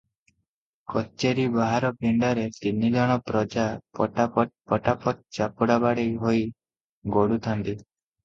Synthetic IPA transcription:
kɔt͡ʃeɾibaɦaɾɔpiɳɖɔɾet̪inːid̪ɔɽ̃ɔpɾɔd͡ʒapɔʈapɔt̪̚pɔʈapɔt̪̚t͡ʃapuɽabaɽejɦoj | ɡoɽut̪ʰant̪i

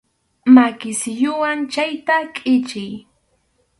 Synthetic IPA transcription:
makɪsɪjʊwant͡ʃajt̪akʼɪt͡ʃɪj

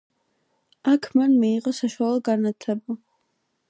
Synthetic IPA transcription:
akʰmanmiːqʼɔsaʃwalˠɔɡanat̪ʰlɛbu

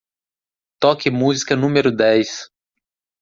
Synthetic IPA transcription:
t̪ɔkɪmuzikɐnũmeɾʊd̪ɛjs

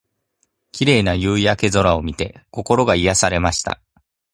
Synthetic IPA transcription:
kʲiɾe̞ːnajɯːijake̞zo̞ɾao̞mʲit̪e̞ko̞ko̞ɾo̞ɡaijasaɾe̞maɕi̥t̪a̰

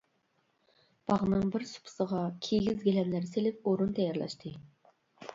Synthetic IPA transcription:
b̥ɑʁnɨŋbɪɾsu̥pʰʊ̥səʁɑkʲʰeɡʲizɡʲelɛnlæɾselɪp̚oɾunt̪ʰɛjɑɾlˠɑ̰ʃt̪ʰɨ

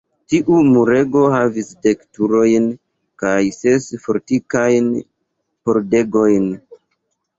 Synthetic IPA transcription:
tiʔumuɾe̞ɡo̞havisde̞ktuɾo̞jn | kajsesfo̞ɾtikajn | po̞ɾde̞ɡo̞jn

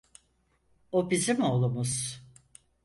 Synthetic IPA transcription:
obizimo̞lˠumuz̥

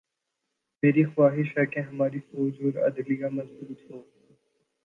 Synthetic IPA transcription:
meːɾixwaːɦɪʃɦɛkeɦɐmaːɾifɔːd͡ʒɔːɾɐ̰d̪lijamɐnsuːt̪ɦõː

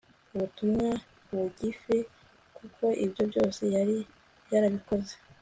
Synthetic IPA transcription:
uβutumŋa | βuɟife | kukʰo̞ʔibjo̞bjo̞ːse̞jaɾi | jaɾaβiko̞ze

